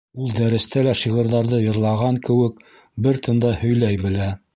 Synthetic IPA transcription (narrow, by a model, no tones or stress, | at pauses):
ulˠd̪æɾɘ̆st̪ælæʃiʁɤ̆ɾðɑɾðɤjɤ̆ɾlˠɑʁɑŋkɘ̆wɘk | bɘɾt̪ʰɤ̆nd̪ɑhɵ̆jlæjbɘ̆læ